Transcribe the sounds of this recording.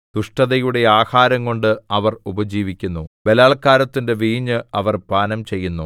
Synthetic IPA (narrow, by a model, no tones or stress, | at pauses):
d̪̥uʂʈɐðɐjuɽe̞aːhaːɾɐŋko̞ɳɖɨɐʋɐrubɐd͡ʑiːʋikʲːunːuʋe̞laːɭkaːɾɐt̪ːinde̞ʋiːɲːɨɐʋɐrpaːnɐmt͡ɕe̞jːunːu